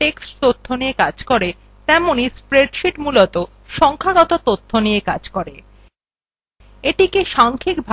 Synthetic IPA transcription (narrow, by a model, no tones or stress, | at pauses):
ʈeksʈt̪ot̪ʰːoniekad͡ʑkoɾe | t̪ɛmonispɾeɖʃiʈmulot̪o | ʃɔŋkʰaɡɔt̪ot̪ot̪ʰːoniekad͡ʑkoɾe | eʈikeʃaŋkʰikbʱ